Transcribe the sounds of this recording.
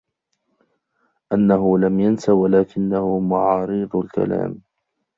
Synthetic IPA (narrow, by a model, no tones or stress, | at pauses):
ʔanːaɦʊlamjansawalaːkɪnːahʊmaʕɑːɾɨðˤlka̰la̰ːm